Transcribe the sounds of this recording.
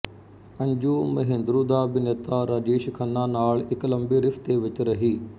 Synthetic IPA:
ə̃ɲd͡ʒuːməɦẽnd̪ɾuːd̪aːbɪnət̪aːɾad͡ʒeːʃkʰənːaːnaːɭɪkləmbiːɾɪft̪eːʋɪt͡ʃɾəɦiː

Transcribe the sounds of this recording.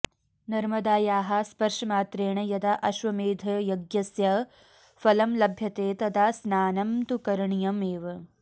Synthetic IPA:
nɐɾmɐd̪aːjaːɦɐspɐɾʂɐmaːt̪ɾeːɳɐjɐd̪aʔɐʃʋɐmeːd̪ʱɐjɐɡjɐsjɐ | fɐlɐmlɐbʱjɐt̪eːt̪ɐd̪aːsnaːnɐmt̪ukɐɾɐɳijɐmeːʋɐ

